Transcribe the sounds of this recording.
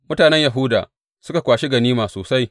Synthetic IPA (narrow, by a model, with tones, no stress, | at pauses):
mʊ˦taː˨nɛ˦ɲja˨ɦʊ˦da̰ː˨ | sʊ˦ka˨kʷaː˨ʃi˦ɡɐ˨niː˦maː˨soː˨sa˦j